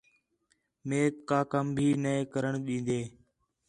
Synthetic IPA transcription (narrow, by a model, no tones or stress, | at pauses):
meːt̪̚kaːkəmbʱiːneekəɾəɳɗĩːnd̪eː